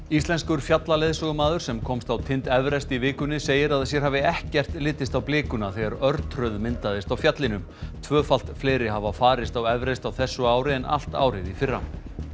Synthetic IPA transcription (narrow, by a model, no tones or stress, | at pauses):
ist̪lɛnskʏɾfjat̪laleðsɔɣʏmaːðʏɾ̥sɛmkʰɔmst̪awt̪ʰɪnt̪ɛvɾɛst̪ivɪːkʏnːɪseːjɪɾaðs̬jɛɾ̥ɦaːvɪɛhcɛr̥t̪lɪːt̪ɪst̪awplɪːkʏnaθɛɣaɾœɾt̪ʰɾœðmɪnt̪aðɪst̪awfjat̪lɪnʏm | t̪ʰvœːfal̥t̪fleːjɾɪhavafaːɾɪst̪awɛvɾɛst̪awθɛsːʏaːwɾɪɛnʔa̰l̥t̪a̰ːwɾɪðifɪrːa̰